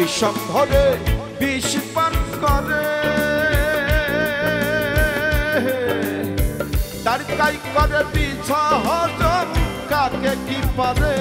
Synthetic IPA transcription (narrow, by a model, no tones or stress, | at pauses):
ʃɔb̚d̪ʱɔɾe | biʃipankɔɾe | t̪aɾkajkbaɾepit͡ɕʰɔɦɔd͡ʒɔm | kakekipaɾe